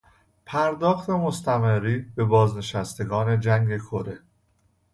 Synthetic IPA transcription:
pʰæɾd̪ɒːxt̪ʰe̞mo̞st̪ʰæmeɾiːbe̞bɒːzne̞ʃæst̪ʰe̞ɡɒːne̞d͡ʒæŋɡe̞kʰo̞ɾe̞

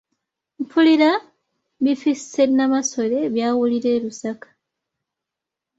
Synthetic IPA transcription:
mpʰuliɾa | βifissenːamaso̞ɾe̞βjaːwuliɾe̞ːɾusakḁ

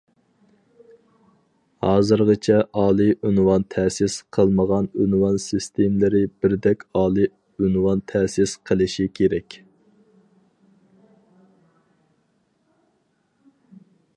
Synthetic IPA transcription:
hɑːzɨɾʁət͡ʃʰɛʔɑːlˠɨʔynwɑnt̪ʰɛsɪsqʰəlˠməʁɑnynwɑnsist̪ʰemlɪɾɪbɪɾd̪ɛkʲɑːlˠi | ynwɑnt̪ʰɛsɪsqʰəlˠɨʃikʲʰeɾɛkʲ

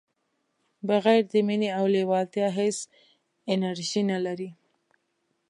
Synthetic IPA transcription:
baɣajɾd̪əmineawlewɑlt̪jɑɦes | ɪnaɾʒinalaɾi

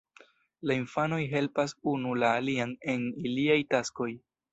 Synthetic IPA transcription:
lainfano̞jɦe̞lpasunulaːliane̞niliajtasko̞j

